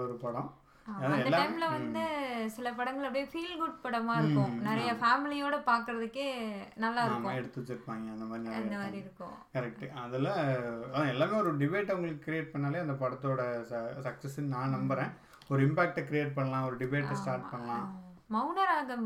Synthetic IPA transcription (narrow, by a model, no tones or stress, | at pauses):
ɔɾɯpɐɽɐ̃ | ɐðaɛd̪lːaɐɪmɪlɐʋɐnd̪ɯsɪlɐpɐɽɐŋɡɐɭɐɽɐjɐfiːlɡʊɖ̚pɐɽɐmaːɪɾkːʊ̃nɪɾɐjɐfaːmɪlɪjoːɽɐpaːɾkɯɾɐðɯkːeːnɐlːaːɪɾɯːʊ̃ɛɽɯt̪ːɯt͡ʃːɯɾɯpːãːŋɡɐɐnd̪ɐmaːd̪ɾiɐnd̪ɐmaːd̪ɾiɪɾɯkːʊ̰̃kɐɾɛk̚ʈɯɐðɪlɐɐðãɛlːaːmeːɔɾɯɖɪbeːʈːɐʊŋɡɐɭɯkːɯkɪɾɪjeːʈ̚pɐɳːaːleːɐnd̪ɐpɐɽɐt̪ːoːɽɐsɐksɛsɪnnãːnɐmbɐɾẽː | ɔɾɯɪmpaːk̚ʈɛkɪɾɪjeːʈ̚pɐɳːɐlãːɔɾɯɖɪbeːʈːɐsʈaːɾʈ̚pɐɳːɐlãːmɐʊnɐɾaːɣɐ